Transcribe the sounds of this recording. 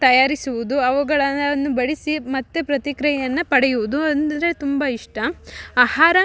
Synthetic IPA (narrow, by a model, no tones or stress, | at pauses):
t̪ɐjaːɾisuʋud̪uɐʋuɡɐɭɐɐnːubɐɭisimɐt̪ːepɾɐt̪ikɾɐjjɐnːɐpɐɽɛjuʋud̪uɐnd̪ɾet̪umbɐiʂʈɐaːhaːɾɐ